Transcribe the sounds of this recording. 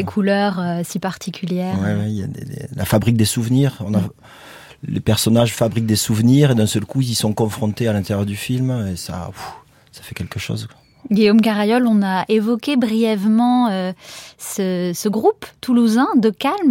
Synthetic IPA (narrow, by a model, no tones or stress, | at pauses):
ekʰulœʁøsipaʁt̪ʰikʲʰyljɛːʁwɛwɛilja̰d̪ḛd̪ḛla̰fabʁik̚d̪esuvəniʁɔ̃na | lepɛʁsɔnaʒfabʁik̚d̪esuvniʁed̪ɛ̃sœlkuizsɔ̃kɔ̃fχɔ̃t̪ealɛ̃t̪eʁjœʁd̪yfilmesa̰u | sḁfɛkʲɛlkəʃo̰zkwḁ | ɡiomkaʁajɔlɔ̃naʔevɔkʲebʁijɛvmɑ̃øsəsəɡʁupt̪uluzɛ̃d̪əkalm